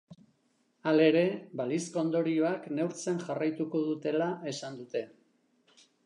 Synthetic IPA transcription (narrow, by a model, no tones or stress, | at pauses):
ale̞ɾe̞baliskoːnd̪o̞ɾio̞akne̞wɾt͡senʝarajt̪uko̞ðut̪e̞lae̞sand̪ut̪e̞